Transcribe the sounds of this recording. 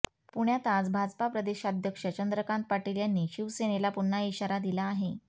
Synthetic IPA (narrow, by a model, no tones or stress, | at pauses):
puɳjat̪at͡sbʱad͡zpapɾəd̪eɕaːd̪ʱjəkʂət͡ɕənd̪ɾəkãnt̪̚paʈiljanːiɕiʋseñelapuɳːaiɕaɾad̪ilaːɦe